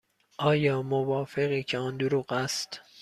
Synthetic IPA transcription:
ʔɒːjɒːmovɒːfe̞ɣiːcʰeɒːnd̪oɾuːɢæst̪

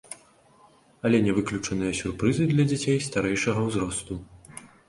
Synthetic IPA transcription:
ɐlʲɛnʲɛvɨklʲut͡ʂɐnɨjɐsʲurpɾɨzɨd̪lʲɐd͡zʲat͡sʲejst̪aɾɛjʂɐɣɐwzɾɔst̪u

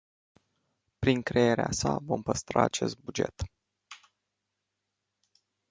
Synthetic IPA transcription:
pɾiŋkɾejeɾeasavo̞mpəst̪ɾaːt͡ʃe̞st̪̚bud͡ʒe̞t̪

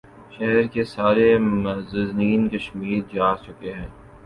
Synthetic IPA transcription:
ʃɛɦɛɾkesaːɾezɐzniːnkɐʃmiːɾd͡ʒaːt͡ʃʊkeɦɛ̃ː

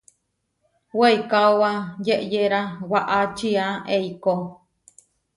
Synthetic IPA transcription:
weikaowajeʔjeɾawaʔat͡ʃiaeiko

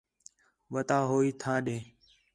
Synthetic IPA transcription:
ʋət̪aːɦoːiːt̪ʰãːɗẽː

